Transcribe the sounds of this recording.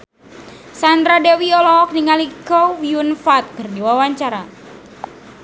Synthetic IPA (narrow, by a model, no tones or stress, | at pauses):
sand̪ɾadewiɔlɔɦɔk̚niŋalikɔwiunfat̪̚kɨrdiwawaɲt͡ʃaɾa